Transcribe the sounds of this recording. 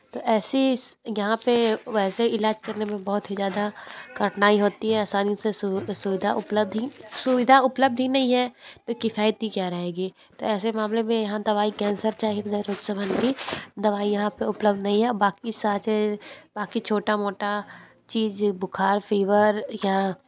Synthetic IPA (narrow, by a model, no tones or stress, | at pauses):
t̪oːʔɛːsijɐɦãpeʋɛːseɪlaːd͡ʒkɐɾnemẽbɐɦʊt̪ɦizjaːd̪akəɾʈnaːiɦoːt̪iɦɛaːsaːnij̃sesʊʋɪd̪ʱaʔʊpləb̚d̪ʱɦisʊʋɪd̪ʱaʊpləb̚d̪ʱɦinɐɦĩɦɛt̪okɪfaːjət̪̚ikjaɾɐɦeːɡiː | t̪oːɛːsemaːmlemẽjɐɦãd̪ɐʋaːikɛ̃ːnsəɾt͡ʃaːɦiibɐd͡ʒ̪aɾoːksəʋənbid̪ɐʋaːijɐɦãpeʊpləb̚d̪ʱnɐɦĩɦɛbaːkisat͡ʃebaːkit͡ʃʰoːʈamoːʈa | t͡ʃiːd͡ʒbʊkʰaːɾfiːʋəɾja